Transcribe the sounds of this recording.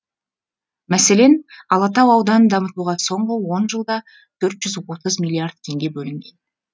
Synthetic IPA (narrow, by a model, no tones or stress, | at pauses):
mæse̞le̞nɑlˠɑt̪ɑwɑwd̪ɑnənd̪ɑmət̪uʁɑso̞ɴʁəwo̞nʒəlˠd̪ɑ | t̪ʰɵɾt̪ʒ̥ʏzwo̞t̪əzmʲilʲːˠiard̪̚t̪ʲʰe̞ŋɡʲe̞bɵlɪŋɡʲe̞n